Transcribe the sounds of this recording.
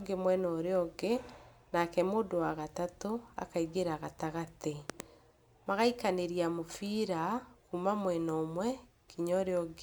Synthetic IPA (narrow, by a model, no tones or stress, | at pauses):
ɡemwɛnɔɾeɔɡe | nakɛmoːdowaɣatatoa̰kaiɡeɾaɣataɣate | maɣaikaneɾiamofiɾakumamwɛnɔmwɛ | kʰiɲɔɾeɔɡ